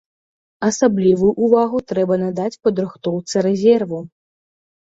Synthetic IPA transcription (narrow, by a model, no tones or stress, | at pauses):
ɐsablʲivujuʔːvaɣut̪ɾɛbɐnad̪at͡sʲpɐd̪ɾɨxt̪ɔwt̪sɨɾɛzʲɛrvu